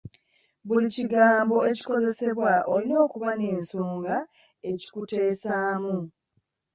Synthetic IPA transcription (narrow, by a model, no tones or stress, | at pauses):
βuliciɡaːmbo̞e̞ci̥ko̞ze̞se̞βwaʔolino̞ːkuβane̞ːnsoːŋɡa | e̞ci̥kute̞ːsaːmu